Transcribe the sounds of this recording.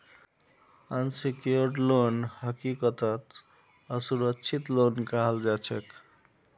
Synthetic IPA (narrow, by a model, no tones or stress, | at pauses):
ansikijoɾʈlonhəkikət̪ət̪ | əsuɾəkːt͡ʃʰit̪lonkaɦald͡ʒat͡ʃʰek